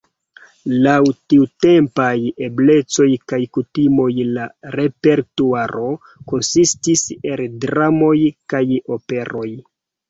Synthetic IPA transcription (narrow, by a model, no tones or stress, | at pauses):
lawtiute̞mpajeble̞t͡so̞jkajkutimo̞jlaɾe̞pe̞ɾtuaɾʔo̞ | ko̞nsistise̞ldɾamo̞jkajo̞pe̞ɾo̞j